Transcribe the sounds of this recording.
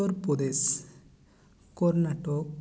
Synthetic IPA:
ɔɾpɔd̪es | kɔɾnaʈɔk̚

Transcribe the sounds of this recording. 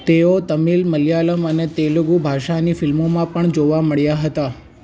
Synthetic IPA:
t̪eot̪əmilməljaləmənet̪eluɡubʱaʃanifɪlmomãpəɳd͡ʒoʋaməɭjaɦət̪a

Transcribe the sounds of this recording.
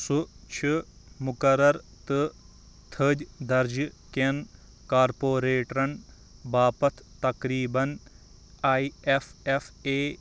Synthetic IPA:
sʊt͡ʃʰi | mʊkɐɾɐɾ | t̪ɨ | t̪ʰəd͡ʒd̪ɐɾd͡ʒken | kaːɾpoːɾeːʈɾɐn | baːpɐt̪ʰt̪ɐkɾiːbɐn | aːiefefeː

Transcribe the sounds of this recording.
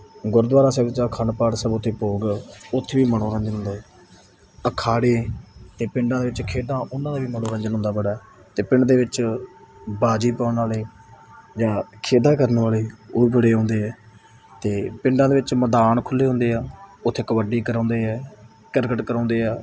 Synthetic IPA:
ɡʊɾd̪ʋaːɾaːsɛːbt͡ʃaːkʰəɳpaːɽsɛːbʊt̪ʰːeːpoːɡʊt̪ʰːeːʋiːməɽõːɾə̃ɲd͡ʒənɦʊ̃nd̪aːɦɛː | əkʰaːɽeːt̪eːpɪ̃ɳɖãːd̪eːʋɪt͡ʃkʰeːd̪ãːʔʊnãːd̪aːʋiːməñõːɾə̃ɲd͡ʒənɦʊnd̪aːbəɽaːɛ | t̪eːpɪɳɖd̪eːʋɪt͡ʃ | baːd͡ʒiːpaːʊnaːleː | d͡ʒãːkʰeːd̪ãːkəɾnʋaːleːoːiːbəɽeːɦõːnd̪eːɦɛː | t̪eːpɪ̃ɳɖãːd̪eːʋɪt͡ʃməd̪aːnkʰʊlːeːɦʊ̃ːnd̪eːaːʊt̪ʰːeːkəʋəɖiːkəɾãːnd̪eːɛː | kəɾkəʈkəɾãːnd̪eːɛː

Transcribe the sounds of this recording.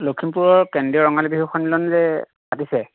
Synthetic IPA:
lokʰːimpuɹɔɹkɛndiɔɹɔŋalibiɦuxʰɔnilɔnzɛ | patisɛ

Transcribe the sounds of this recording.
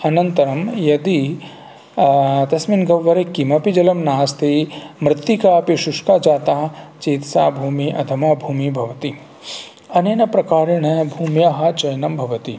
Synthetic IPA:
ɐnɐnt̪ɐɾɐmjɐd̪i | t̪ɐsminɡɐʋːɐɾekːimɐpid͡ʒɐlɐmnaːst̪ʰimɾɪt̪ːikaːpiʃʊʂkad͡ʒaːt̪aːt͡ʃiːt̪saːbʱuːmiʔɐ̰d̪ʱɐmɐbʱuːmibʱɐʋɐt̪i | ɐneːnɐpɾɐkaːɾeɳɐbʱuːmjaɦɐt͡ʃɐjnɐmbʱɐʋɐt̪i

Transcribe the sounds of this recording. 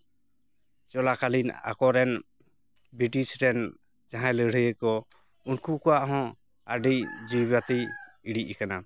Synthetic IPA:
t͡ʃɔlakalina̰kɔɾɛn | bɾiʈisɾɛn | d͡ʒaɦãjləɽəjəkɔ | unkukɔaʔɦɔ̃ | aɖijd͡ʒubat̪i | iɽiʔikana

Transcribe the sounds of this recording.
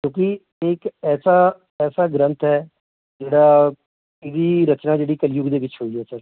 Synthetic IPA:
kjõːkɪ | ɪkɛːsaː | ɛːsaːɡɾə̃nt̪ɦɛː | d͡ʒeːɽaː | ɪdiːɾət͡ʃnaːd͡ʒeːɽiːkəljʊɡd̪eːʋɪt͡ʃɦoːiːɦɛːsəɾ

